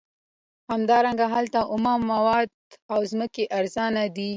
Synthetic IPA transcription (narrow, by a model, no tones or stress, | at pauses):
hamd̪ɑɾaŋɡaɦalt̪aʔʊmɑmːawɑd̪̚awzməkeʔaɾzɑnad̪i